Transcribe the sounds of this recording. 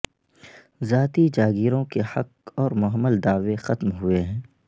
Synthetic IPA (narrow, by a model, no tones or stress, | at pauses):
zaːt̪id͡ʒaːɡiːɾõkehɐqɔːɾmʊɦəmːəld̪aːʋexɐt̪mɦʊeɦɛ̃ː